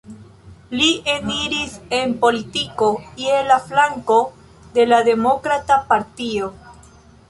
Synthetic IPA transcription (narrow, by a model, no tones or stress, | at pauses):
lieniɾise̞npo̞litikoielaflaŋko̞ | de̞lade̞mo̞kɾatapaɾtio